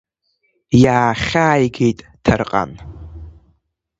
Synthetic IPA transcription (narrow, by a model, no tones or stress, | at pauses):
jaːχʲaːjɡejtʼtʰarqʼa̰n